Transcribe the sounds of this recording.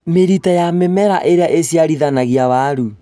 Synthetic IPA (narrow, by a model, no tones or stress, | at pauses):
meɾitajamemɛɾaʔeɾeaʔesiaɾiðanaɣiaβaɾu